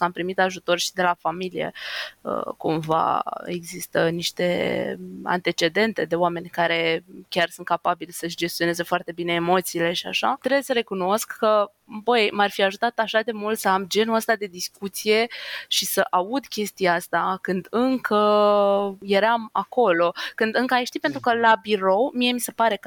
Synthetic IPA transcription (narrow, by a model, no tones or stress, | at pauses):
ampɾimit̪aʒut̪o̞rʃid̪e̞lafamilijḛə̰kumva̰eɡzist̪əniʃt̪e̞̰ | a̰nt̪e̞t͡ʃe̞d̪e̞nt̪e̞d̪e̞oame̞nʲkaɾe̞kʲarsunt̪kapabilʲsəʃʲd͡ʒe̞st̪io̞nezəfoart̪e̞bine̞ːmo̞t̪siːle̞ʃia̰ʃat̪ɾebjesəɾe̞kuno̞skːə | bəjmarfiaʒut̪at̪aʃad̪e̞mult̪səamd͡ʒe̞nuəst̪ad̪e̞d̪iskut̪sije̞ʃisəʔaud̪kʲe̞st̪ijaast̪akɨnd̪ɨŋkʰə | je̞ɾama̰ko̞lo̞kɨnd̪ɨŋkəajʃt̪ipe̞nt̪ɾukəlabiɾo̞wmije̞mise̞paɾe̞kə